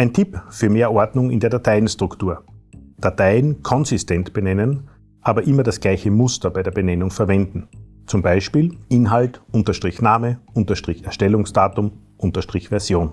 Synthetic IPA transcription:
ʔæɪntʰɪpfyːɐmeːɐʔɔɐdnʊŋɪ̰ndeːɐdatʰaɪnstʁ̥ʊktuːɐd̥atʰaɪnkʰɔnzɪstʰɛntb̥ənɛnən | ʔaːbɐʔɪmɐdasɡ̥laɪçəmʊstɐbaɪɾeːɐbənɛnʊŋfɛɐvɛndn̩ | t͡sʊmbaɪʃpiːlʔɪnɦaltʔʊntɐʃtʁ̥ɪçnaːməʔʊntɐʃtʁ̥ɪçɛɐʃtɛlʊŋsd̥aːtʊm | ʔʊntɐʃtʁ̥ɪçv̥ɛɐzjoːn

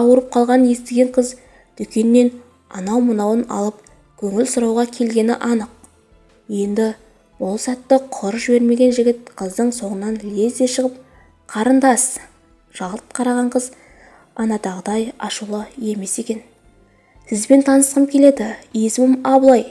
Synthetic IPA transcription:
ɑwəɾəp̚qʰɑlˠʁɑnənje̞st̪ɪɡʲe̞ɴqʰəz | d̪̥ʏkʲe̞nːe̞n | ɑ̰nɑwmənɑwənɑ̰lˠəp̚ | kʲʰɵŋɪlsʊɾɑwʁɑkʲʰe̞lɡʲe̞nɪ̰ʔɑnəq̚ | je̞nd̪ɪ | bʊlˠsæt̪ːəqʰʊɾʒɪbe̞ɾme̞ɡʲe̞nʒɪɡʲɪt̪̚qʰəzd̪əɴso̞ɴənːɑnle̞zd̪e̞ʃəʁəp̚ | qʰɑɾənd̪ɑs | ʒ̥ɑlˠətp̪̚qʰɑɾɑʁɑɴqʰəz | ɑnɑd̪ɑʁəd̪ɑjɑʃulˠəe̞me̞se̞kʲe̞n | sɪzbe̞nt̪ʰɑnəsqəmkʲʰe̞led̪ɪesɪmɪmɑblˠɑj

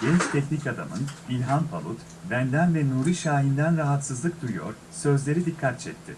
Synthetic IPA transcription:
ɟ̥ɛnt͡ʃt̪ʰɛcnicad̪a̰mɯ̰nilʲɦanpʰa̰lˠut̪ | vænd̪ænvɛnuːɾiʃaːɦind̪ænɾaɦat̪sɯzlˠɯk̚d̪ujujo̞̰ɾ̥ | sø̞zlʲe̞ɾid̪ikʰːat̪̚t͡ʃʰɛc̚ʲt̪ʰːɪ

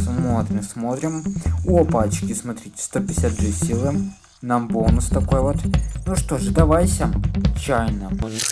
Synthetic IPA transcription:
smot̪ɾʲɪmsmo̞t̪ɾʲɪmʊɔpat͡ɕkʲɪsmɐt̪ɾʲitʲɪ̥st̪opʲɪsʲat̪ʐɛsʲilˠɨm | nambonʊst̪ɐko̞jvo̞t̪nuʂt̪oʐɨd̪ɐvajsʲɐt͡ɕajnə

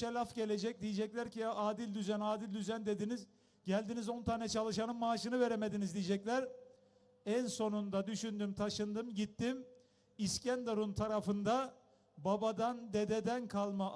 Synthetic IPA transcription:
elʲafɟe̞lʲe̞d͡ʒɛc̚d̪ijid͡ʒɛclʲæɾcʰiaaːd̪ilʲd̪yzænaːd̪ilʲd̪yzænd̪e̞d̪iniz | ɟælʲd̪inizo̞nt̪ʰaːnɛt͡ʃʰalˠɯʃanɯnmaːʃɯnɯve̞ɾeme̞d̪inizd̪ijd͡ʒɛclʲæɾ | ænso̞nund̪ad̪yʃynd̪ymt̪ʰaʃɯnd̪ɯmɟit̪ːim | iscænd̪aɾunt̪ʰaɾafɯnd̪a | babad̪and̪e̞d̪e̞d̪ænkʰalˠma

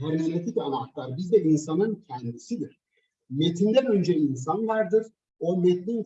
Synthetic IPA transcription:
ɦaɾmenet̪ʰicanaklˠaɾbizd̪ɛinsanɯncʰɛnd̪isid̪iɾ̥ | met̪ʰind̪ænø̞nd͡ʒɛins̬anvaɾd̪ɯɾ̥ | o̞met̪lʲin

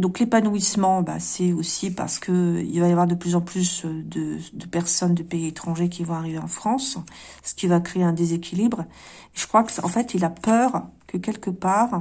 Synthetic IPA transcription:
d̪ɔ̃klepanuismɑ̃ba̰sɛosipa̰ʁsə̥kʰəḭlvajavwaʁd̪əplyzɑ̃plysd̪əd̪əpɛʁsɔnd̪əpeiet̪χɑ̃ʒek̬ʲivɔ̃aʁiveɑ̃fχɑ̃s | sə̥kʲivakχeeɛ̃d̪ezekʲʰilibʁ | eʒəkχwakɑ̰̃fɛt̪ʰilapœʁkʰəkʲɛlkəpaːʁ

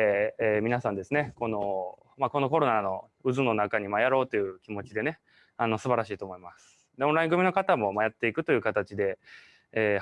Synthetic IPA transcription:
mʲinasãnd̪e̞sɨne̞ko̞no̞ | mako̞no̞ko̞ɾo̞nano̞ | ɯ̟zɨno̞nakaɲ̟imajaɾo̞ːt̪ːe̞jɯ̟kʲimo̞t͡ɕid̪e̞ne̞ | ano̞sɨbaɾaɕiːt̪o̞ːmo̞imasɨ̥ | d̪eõnɾaĩŋɡɯmino̞kat̪amo̞majat̪ːe̞ikɯ̟t̪o̞jɯ̟kat̪at͡ɕid̪e̞ː

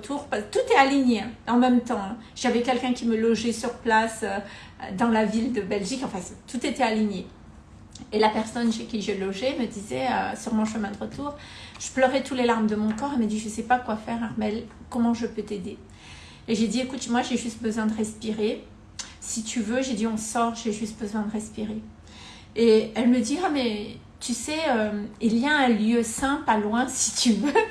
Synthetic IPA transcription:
t̪ʰuʁpat̪ut̪ɛaliɲeɛ̃ɑ̃mɛmt̪ɑ̃ɛ̃ | ʒavɛkʲɛlkʲɛ̃kʲiməlɔʒɛsyʁplasø | d̪ɑ̃lavild̪əbɛlʒikɑ̃fɛ̃st̪ut̪et̪ɛaliɲe | elapɛʁsɔnʃekʲiʒəlɔʒɛməd̪izɛøsyʁmɔ̃ʃəmɛ̃d̪əʁət̪uːʁ | ʒ̥əplœʁɛt̪ulelaʁmd̪əmɔ̃kɔʁelmad̪iʒəsɛpakwafɛʁaʁmɛl | kɔmɑ̃ʒəpøt̪ed̪e | eʒed̪iekut̪mwaʒeʒyst̪̚bəzwɛ̃d̪əʁɛspiʁe | sit̪yvøʒed̪iɔ̃sɔʁʒeʒyst̪̚bəzwɛ̃d̪əʁɛspiʁe | eɛlməd̪iamɛ | t̪ysɛømiljaɛ̃ljøsɛ̃palwɛ̃si̥t̪ʰyvø

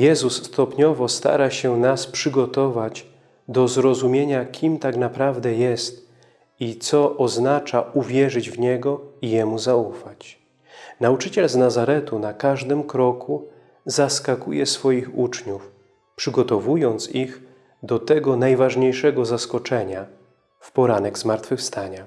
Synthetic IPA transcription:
jɛzusːt̪ɔpɲɔvɔst̪a̰ɾaɕɛnaspʂɘɡɔt̪ɔvad͡ʑ | d̪ɔzɾɔzumʲjeɲakʲʰimt̪aknapɾavd̪ɛjɛst̪ | it̪sɔʔɔznat͡ʂauvʲjɛʐɘd͡ʑvɲɛɡɔijɛmuzaufat͡ɕ | naut͡ʂɘt͡ɕɛlznazaɾɛt̪unakaʐd̪ɘmkɾɔkʰu | zaskakujɛsfɔjixut͡ʂɲuf | pʂɘɡɔt̪ɔvujɔnt̪six | d̪ɔt̪ɛɡɔnajvaʐɲejʂɛɡɔzaskɔt͡ʂɛɲa | fpɔɾanɛɡzmaɾt̪fɘfst̪aɲa

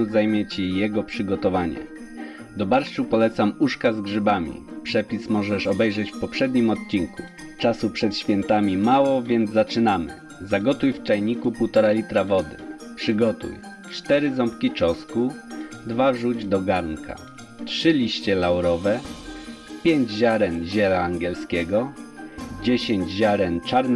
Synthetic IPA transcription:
zajmʲjɛt͡ɕijɛɡɔpʂɘɡɔt̪ɔvaɲɛ̰ | d̪ɔbaɾt͡ʂupɔlɛt̪samuʂkazɡʐɘbamʲḭpʂɛpʲismɔʐɛʂɔbɛjʐɛt͡ɕfpɔpʂɛd̪ɲimɔt̪̚t͡ɕiŋku | t͡ʂasupʂɛt̪ɕfʲjɛnt̪amʲimawɔvʲjɛnd̪zat͡ʂɘnamɘ̰ | zaɡɔt̪ujft͡ʂajɲikupuwt̪ɔɾalʲit̪ɾavɔd̪ɘ̰ | pʂɘɡɔt̪ṵj | t͡ʂt̪ɛɾɘzɔmpkʲit͡ʂɔskud̪vaʐud͡ʑd̪ɔɡaɾnka̰ | tʂɘlʲiɕt͡ɕɛlawɾɔvɛ | pʲjeɲd͡ʑʑaɾɛnʑɛlaːŋɡʲɛlskʲɛɡɔ | d͡ʑeɕeɲd͡ʑʑaɾɛnt͡ʂaɾn

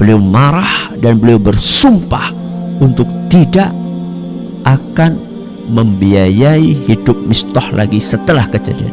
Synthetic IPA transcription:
b̥əliawmaɾahdanbəliawbərsumpah | unt̪ʊk̚t̪idaʔ | ʔakan | məmbiajaihidʊp̚mist̪ɔhlʔa̰ɡisət̪əlahkəd͡ʒa̰dia̰

